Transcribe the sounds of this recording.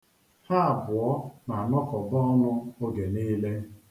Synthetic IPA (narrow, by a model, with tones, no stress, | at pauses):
ha˦a˨bʊ˨ɔ˦na˨nɔ˦kɔ˨bɔ˦ɔ˦nʊ˦o˦ɡe˨niː˦le˦